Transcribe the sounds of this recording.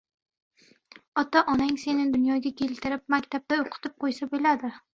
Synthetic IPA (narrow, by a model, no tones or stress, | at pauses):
ɒt̪aʔɒnaŋse̞nɪd̪ʊnjɒɡʲakʲʰe̞lt̪ʰɪɾɪp̚makʲt̪ʰab̚t̪aoqʰɨ̥t̪ʰɪp̚qʰojsabelad̪ɪ